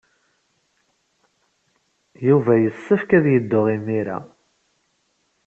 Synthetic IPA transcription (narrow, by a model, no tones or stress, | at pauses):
juvæjəsːəfkæðjəd̪ːʊʁimːiɾæ̰